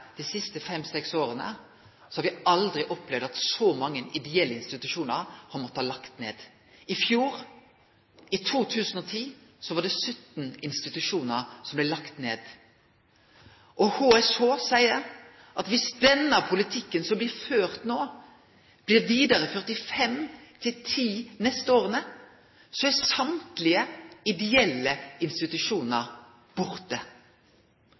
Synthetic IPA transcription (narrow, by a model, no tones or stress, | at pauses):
d̪̥ɛsɪst̪əfɛmsɛksoːɾənə̰ | sɔ̥hɑɾʋɪɑld̪ʁɪʔɔplɛʋd̪ɑt̪sɔmɑŋːənʔɪd̪ɛɛlːəɪnst̪ɪt̪ʉʂuːnəɾhɑɾmɔt̪ːəhɑːlɑkt̪nḛːd̪ | ɪfjuːɾ | ɪt̪ʰuːt̪ʰʉːsən̩ɔt̪ʰiːsɔʋɑːɖɛsœt̪nɪnst̪ɪt̪ʉʂuːnəʁsɔmblɛɪlɑkt̪nḛːd̪ | ʔɔhoːɛshoːsæɪəɾ | ʔɑt̪ʋɪsd̪ɛnːəpʰʊlɪt̪ʰɪkːənsɔmblɪʁføːʁt̪noː | b̥lɪːʁʋiːd̪əʁəfœʁt̪ɪfɛmt̪ʰɪlt̪ʰiːnɛst̪əoːʁənə | sɔɛsɑmt̪lɪəɪd̪ɛɛlːəɪnst̪ɪt̪ʉʃuːnəʁ | b̥ʊʁt̪ə